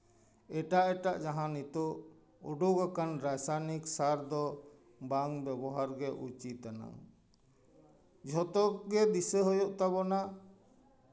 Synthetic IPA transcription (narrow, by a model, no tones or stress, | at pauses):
ɛʈaʔɛʈaʔd͡ʒaɦãnit̪ɔʔ | ɔ̰ɖoɡakanɾajsaniksaɾd̪ɔ | baŋbɛbɔɦaɾɡɛʔṵt͡ʃit̪ana̰ŋ | d͡ʒʱɔt̪ɔk̚ɡɛd̪isəɦɔjɔʔt̪aβɔna